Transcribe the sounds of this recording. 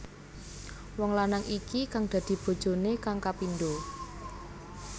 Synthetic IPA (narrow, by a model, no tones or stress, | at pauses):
wɔŋlanaŋʔikikaŋd̥ä̤d̪̥i̤b̥o̤d̥ʒ̥o̤nekaŋkapindo